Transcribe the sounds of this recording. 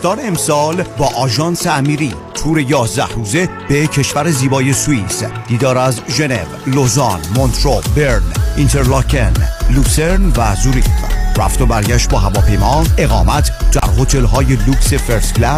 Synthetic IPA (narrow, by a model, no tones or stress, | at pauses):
d̥̪ɒːnemsɒːlbɒːʔɒːʒɒːnseæmiːɾiː | t̪ʰuːɾe̞jɒːzd̪æhruːze̞ | b̥e̞cʰe̞ʃvæɾeziːbɒːje̞suisd̪̥iːd̪ɒːɾæzʒe̞ne̞̰vlozɒnmont̪ʰɾobeɾnint̪ʰeɾlɑkʰenluseɾnvæzuɾḭfræ̰ft̪obæɾɟæʃt̪̚bɒːɦævɒːpʰe̞jmɒːe̞ɣɒːmæt̪ʰd̪̥æ̰ɾho̞t̪ʰe̞lɦɒːje̞luksefeɾsɡlæ